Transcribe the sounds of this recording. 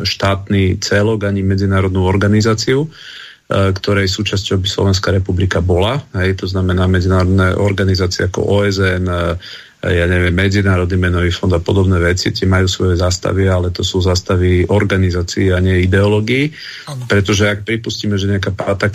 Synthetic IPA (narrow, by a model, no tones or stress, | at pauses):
ʃt̪aːt̪nit͡sɛlɔɡaɲimɛd͡zinaːɾɔd̪nuɔɾɡanizaːt͡siu | kt̪ɔɾɛjsuːt͡ʃascɔʊbislɔ̰ʋɛnskaːɾɛpublikabɔlaɦɛjt̪ɔznamɛnaːmɛd͡zinaːɾɔd̪nɛʔɔɾɡanizaːt͡siɛakɔ̰ʔɔːɛzɛn | jaːɲɛʋɪɛmːɛd͡zinaːɾɔd̪nimɛnɔʋiːfɔnd̪apɔd̪ɔbnɛːʋɛt͡sḭt̪ɪɛmajuːsʋɔjɛzaːst̪a̰ʋialɛt̪ɔsuːzast̪aʋiɔɾɡanizaːt͡siːaɲɪɛid̪ɛɔlɔɡiː | pɾɛt̪ɔʒɛak̚pɾipusciːmɛʒɛɲɛakapat̪a